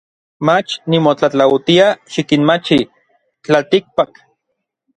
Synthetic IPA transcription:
mat͡ʃnimot͡ɬat͡ɬawt̪iaʃikinmat͡ʃi | t͡ɬalt̪ik̚pak

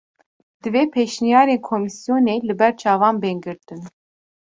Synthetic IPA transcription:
d̪̥ɨveːpʰeʃnijɑːɾeːnkʰomisjoːneːlɨbɛɾt͡ʃʰɑːvɑːnbɛːŋɡɨɾt̪ɨn

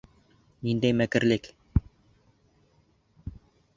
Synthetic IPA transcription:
nind̪æjmækɘ̆ɾlɘk

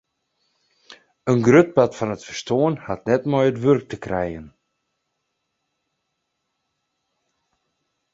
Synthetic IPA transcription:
ənɡrøt̚batfanətfərstoənhatnɛtmɔjətʋørk̚təkrɛjən

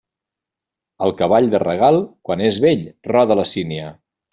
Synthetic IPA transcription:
əlˠkəβ̞aʎd̪ərəɣ̞alˠkwanezβeʎrɔðələsiniə

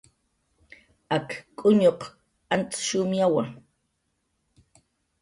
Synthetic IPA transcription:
akkʼːʊɲoq | ant͡sʃʊmjawaŋ

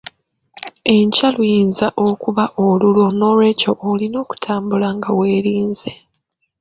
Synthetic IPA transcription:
e̞ɲcalwjiːnzaʔokuβaʔolulo̞no̞ːlwe̞co̞ʔːlino̞ːku̥tʰaːmbulaŋɡawe̞ːɾiːnze̞

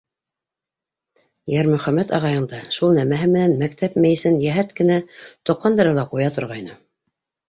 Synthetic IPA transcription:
jæɾmɵ̆χæmæt̪ɑʁɑjɤ̆nd̪ɑʃulˠnæmæɦɘmɘ̆nænmæk̚t̪ʰæpmæjɘ̆sɘnjæɦæt̪kɘ̆næt̪ŏqːɑnd̪ɑɾɤlˠɑqujɑt̪ŏɾʁɑjnɤ

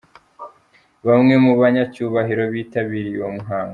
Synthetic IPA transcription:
βamŋe̞muβaɲacuːβaɦiɾo̞βiːtaβiɾiwomuɦaːŋɡa

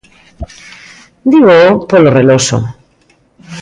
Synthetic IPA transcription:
d̪iβoopoloreloso̰

